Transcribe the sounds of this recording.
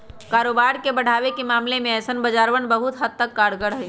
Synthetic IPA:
kaɾobaɾkebəɽ̤aʋekemaːmlemẽɛsənbəd͡ʒaɾʋənbəɦut̪ɦəd̪̚t̪əkːaɽɡəɽɦəj

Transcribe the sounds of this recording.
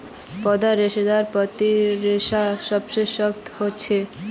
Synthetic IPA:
pɔd̪aɾeʃed̪aɾpɔt̪iɾeʃaʃɔbʃeʃɔkt̪hotːɕʰe

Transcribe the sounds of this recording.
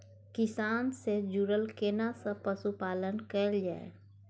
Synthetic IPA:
kɪsaːnsed͡ʒuɾəlkeːnasə̃pəsupaːlənkəld͡ʒaːḛ

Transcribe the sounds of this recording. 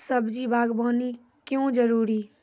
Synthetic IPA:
səbd͡ʒibʱaːɡboːni | kjõːd͡ʒəɾuːɾiː

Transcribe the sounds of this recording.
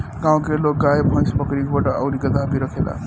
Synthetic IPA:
ɡaw̃kɾeloɡajebʱʌ̃jsbʌkɾikobaʈʌʌwɾiɡʌd̪abiɾʌkʰela̰

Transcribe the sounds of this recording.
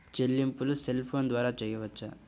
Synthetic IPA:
t͡ʃelːimpuluselpʰoːnd̪ʋaːɾaːt͡ʃɛjːɐʋɐt͡ʃːɐ

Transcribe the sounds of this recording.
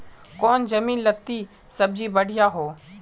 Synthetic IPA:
kɔːnd͡ʒəmiːnlət̪ːiː | səb̚d͡ʒiːbəɽ̤ɪjaːɦoː

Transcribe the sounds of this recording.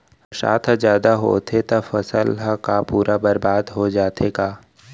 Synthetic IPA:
sa̰ːt̪ʰzjaːd̪aɦo̰ːt̪ʰet̪ɐfɐsəlɦkapuːɾabɐɾbaːd̪ɦod͡ʒaːt̪ʰeɡaː

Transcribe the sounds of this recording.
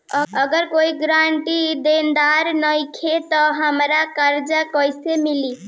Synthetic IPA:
əəɡəɾkoiɡɾaɳʈid̪end̪aɾnəjkʰet̪ɔɦəmɾakəɾd͡ʒəkəjsemili

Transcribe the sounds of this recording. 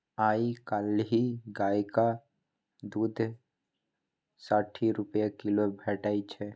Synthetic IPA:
aːikalɦiɡaːjka | d̪uːd̪ʱ | saːʈʰiɾʊpjakɪlobʱɛʈaːit͡ʃʰɛ

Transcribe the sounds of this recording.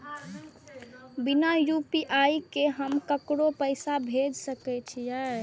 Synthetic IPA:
binajupiʔaikeɦəmkəkɽopəɪsabʱed͡ʒsəkɛt͡ʃʰija

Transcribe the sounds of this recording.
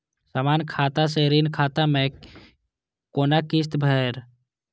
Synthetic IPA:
saːmaːnkʰaːt̪aseɾinkʰaːt̪ame | koːnakist̪bʱɛːɾ

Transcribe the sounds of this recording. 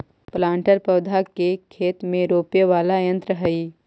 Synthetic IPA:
plãːɳʈəɾpɐʋd̪ʱakekʰeːt̪mẽɾoːpjeʋaːlajə̃nt̪ɾəɦɐi

